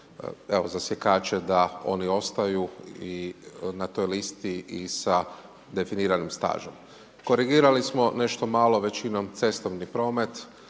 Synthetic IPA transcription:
e̞ʋozasjekaːt͡ʃe̞d̪ao̞̰nio̞st̪ajuinat̪o̞jlist̪iisa | d̪e̞finiːɾanimst̪a̰ːʒo̞m | ko̞ɾiɡiːɾalismo̞ne̞ʃt̪o̞maːlˠo̞ʋe̞t͡ɕino̞mt̪se̞st̪o̞ʋnipɾo̞ːme̞t̪

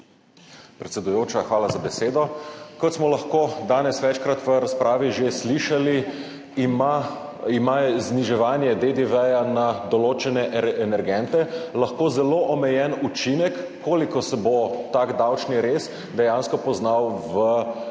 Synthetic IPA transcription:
pɾɛt̪sʲɛd̪ujoːt͡ʃaxʋaːlazabɛseːd̪ɔkɔt̪smɔlɐxkoːd̪aːnɛsʋɛt͡ʃkɾat̪ʋəɾaspɾʔaːʋiʒesliʃali | ma | imazniʒɛʋaːnjɛd̪ed̪eʋɛjanad̪ɔloːt͡ʃɛnɛʔɛʔɛnɛɾɡɛnt̪ɛlaxkoːzɛloʔɔmɛjɛnut͡ʃinɛkːoːlikɔsɛbot̪akd̪awt͡ʃniɾes | d̪ɛjanskɔpɔznawʋə

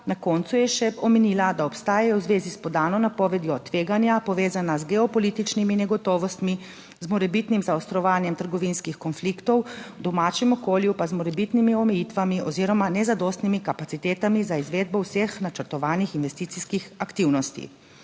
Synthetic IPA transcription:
nakɔːnt̪sujɛʃɛpɔmɛniːlad̪aɔpst̪aːjɛjɔwzʋeːzispɔd̪aːnɔnapɔːʋɛd̪jɔt̪ʋeːɡanjapɔʋeːzanazɡɛɔpɔliːt̪it͡ʃniminɛɡɔt̪ɔːʋɔst̪mi | zmɔɾɛbit̪nimzaɔst̪ɾɔʋaːnjɛmt̪əɾɡɔʋinskixkɔnflikt̪ɔwd̪ɔmaːt͡ʃɛmɔkoːljupazmɔɾɛbit̪nimiɔmɛjiːt̪ʋamiʔɔziːɾɔmanɛzad̪ɔst̪nimikapat̪sit̪eːt̪amizaizʋeːd̪̚bɔwsexnat͡ʃəɾt̪ɔʋaːnixinʋɛst̪iːt̪siskixakt̪iːwnɔst̪ḭ

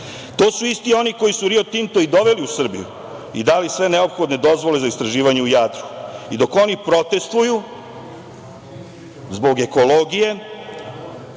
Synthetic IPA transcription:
t̪o̞ːsuist̪io̞nikojisuɾiot̪int̪o̞id̪o̞ʋe̞liusr̩bḭjṵ | ḭd̪alisʋe̞ne̞o̞pxo̞d̪ne̞d̪o̞zʋo̞le̞zaist̪ɾaʒiːʋaɲe̞ujad̪ɾu̥id̪o̞ko̞nipɾo̞t̪e̞st̪ʋuju | zbo̞ɡe̞ko̞loɡije̞

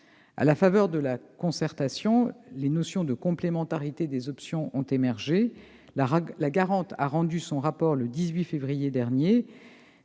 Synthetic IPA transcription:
a̰lafavœʁd̪əlakɔ̃sɛʁt̪asjɔ̃lenɔsjɔ̃d̪əkɔ̃plemɑ̃t̪aʁit̪ed̪ezɔpsjɔ̃ʔɔ̃t̪emɛʁʒe | laɡaʁɑ̃t̪a̰ʁɑ̃d̪ysɔ̃ʁapɔʁləd̪izɥifevʁijed̪ɛʁnje

